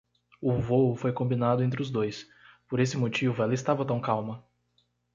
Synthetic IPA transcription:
ʊvoʊfojkõbinad̪ʊẽnt̪̬ɾɪʊzd̪ojs | poɾesɪmot͡ʃivʊɛlɐɪst̪avɐt̪ɐ̃w̃kawmɐ

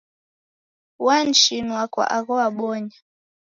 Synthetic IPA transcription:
want͡ʃinwakwa̰ʔaɣɔaɓɔɲa

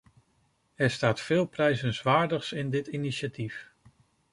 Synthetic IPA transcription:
ɛɹstaːtfɪːlˠprɛjzənzʋaːɹdəχsɪndɪtiniʃatif

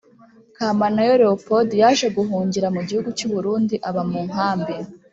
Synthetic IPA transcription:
kaːmanajoɾeopo̞dijaʃeɡuɦuːɲɟiɾamuɟihuɡut͡ʃuβuɾuːndiʔaβamuːŋaːmbi

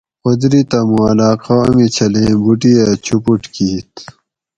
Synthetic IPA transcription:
od̪ɾit̪ɐmuɐlaːqamit͡ɕʰɐlẽːbuʈiat͡ɕʰupuʈkiːt̪

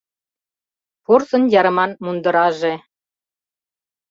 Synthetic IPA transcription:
pursɤ̆njɑɾɤ̆mɑnmund̪ɤ̆ɾɑʒe

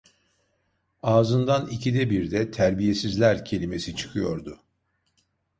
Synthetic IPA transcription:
aːzɯnd̪anicʰid̪ɛbiɾd̪ɛt̪ʰæɾbije̞sizlʲæɾcʰe̞lʲime̞sit͡ʃʰɯ̥kʰɯjo̞ɾd̪ʊ

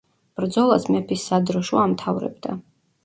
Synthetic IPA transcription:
b̥ɾd̪zɔlˠasmɛpʰisːad̪ɾɔʃuamt̪ʰavɾɛ̰bd̪a̰

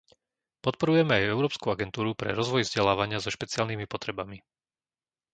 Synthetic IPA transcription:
pɔt̪̚pɔɾujɛmɛajɛʊɾɔːpskuaɡɛnt̪uːɾupɾɛ̰ɾɔzʋɔjvzɟɛlaːʋaɲɪazɔʃpɛt͡sɪaːlnimipɔt̪ɾɛbami

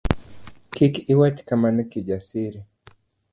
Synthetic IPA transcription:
kikiwat͡ʃkamanikid͡ʒasiɾi

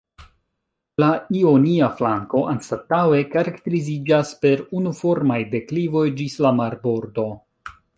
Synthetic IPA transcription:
laio̞niaflaŋko̞ʔanstatawe̞kaɾakt̪e̞ɾizid͡ʒaspe̞ɾunufo̞ɾmajde̞klivo̞jd͡ʒislamaɾbo̞ɾdo̞

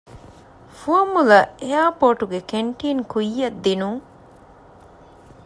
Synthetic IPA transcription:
fuɐmulɐejaːpoːʈuɡekeɳʈiːnkujːɐd̪ːinuŋ

